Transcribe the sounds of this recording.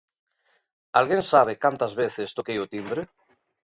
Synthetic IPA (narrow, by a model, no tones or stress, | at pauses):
alɣensaβ̞ekant̪ɐzβeθest̪okejot̪imbɾe